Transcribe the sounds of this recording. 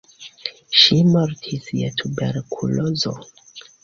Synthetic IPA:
ʃimaɾtʰisjḛtʰubḛɾkʰulozo̰

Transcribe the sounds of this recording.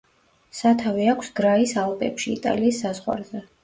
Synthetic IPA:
sat̪ʰaviakʷʰsɡ̥ɾaisalˠpʼɛ̰pʃiːt̪ʼa̰liːsːazʁwa̰ɾzɛ

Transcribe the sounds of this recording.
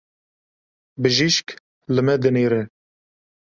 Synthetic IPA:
bɨʒiʃk | lɨmɛd̪ɨneːɾɛ

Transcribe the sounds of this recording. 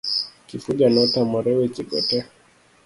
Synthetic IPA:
kifuʄanɔtamɔɾɛwɛt͡ʃikɔ̰tɛ

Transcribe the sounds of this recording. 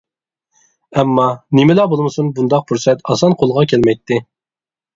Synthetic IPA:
ɛmːɑnɪmɪlɑbolˠmɨsunbund̪ɑq̚pʰuɾsɛt̪ɑsɑnqʰolˠʁɑkʲʰɛlmɛjt̪ʰːɪ

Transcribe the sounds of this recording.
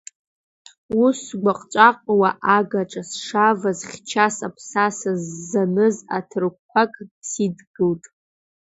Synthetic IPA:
usɡʷaqʼt͡ʃʷʼaqʷʼwaʔaɡaʈ͡ʂʼasʂavazχʲt͡ʃʰasapʰsasazːanɨza̰tʰɨrkʷʰakʼsidɡɨltʼ

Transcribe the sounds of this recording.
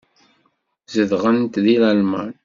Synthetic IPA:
zəðʁənt̪ðilælmæ̰n

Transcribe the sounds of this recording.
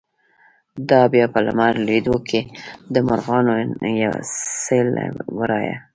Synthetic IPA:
d̪ɑbjɑpəla̰maɾled̪okʰed̪əmʊɾɣɑnojawa̰sela̰wəɾɑja̰

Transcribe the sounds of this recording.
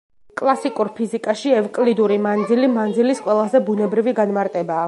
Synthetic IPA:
kʼlˠasikʼuɾpʰizikʼaʃiɛvkʼlid̪uɾimand̪zilimand̪zilisqʼwɛlˠazɛbunɛbɾiviɡanmaɾt̪ʼɛbaː

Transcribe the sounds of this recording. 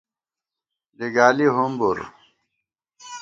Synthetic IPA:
liɡaːliɦumbuɾ

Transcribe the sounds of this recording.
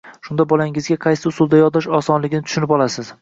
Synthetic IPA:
ʃʊnd̪abɒlaŋɪzɡʲaqʰɑjsɪʊsʊlˠd̪ajɒɾd̪ɒʃɒsɒnlɪɡʲɪnɪt̪ʰʊ̥ʃɪnɪpɒlˠasɪz

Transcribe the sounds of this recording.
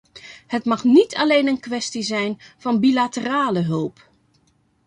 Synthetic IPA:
hətmɑxnitʰalejnənkʋɛstizɛjnv̥ɑnbilatəraːləɦɵlˠp

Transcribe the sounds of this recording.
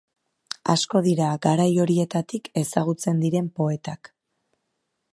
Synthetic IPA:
a̰sko̞ðiɾaɡaɾajo̞ɾie̞t̪at̪ike̞saɣ̞ut͡se̞nd̪iɾe̞mpo̞e̞t̪ak

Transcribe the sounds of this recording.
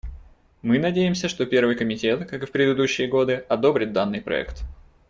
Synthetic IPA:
mɨnɐdʲejɪmsʲəʂt̪o̞pʲe̞rvɨjkəmʲɪtʲe̞t̪kakɨfpɾʲɪd̪ɨd̪uɕːɪjəɡo̞d̪ɨɐd̪o̞bɾʲɪt̪̚d̪anːɨjpɾɐ̰ɛ̰kt̪

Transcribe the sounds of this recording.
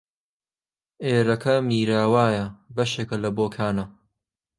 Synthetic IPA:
ʔeːɾɐkʰɐmiːɾaːwaːjɐbɐʃeːkɐlɐboːkʰaːnɐ

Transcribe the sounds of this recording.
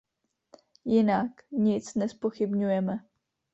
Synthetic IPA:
jɪnakɲɪt͡snɛspo̞xɪbɲujɛmɛ

